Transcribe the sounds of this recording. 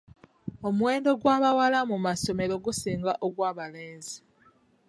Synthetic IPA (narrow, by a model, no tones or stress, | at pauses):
o̞mwe̞ːndo̞ɡwaːβawalamumaso̞me̞ɾo̞ɡusiːŋɡaʔoɡwaːβaleːnzi